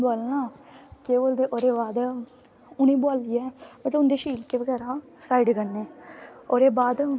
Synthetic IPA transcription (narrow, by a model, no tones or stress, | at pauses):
baːlnãːkeːboːld̪eːʔoːɾeːbaːd̪ | ʊnĩːbʊaːlɪjaɛmət̪ləʊ̃nd̪eːʃiːlkeːʋəɡɛːɾãː | saːiɖɡənːeːoːɾeːbaːd̪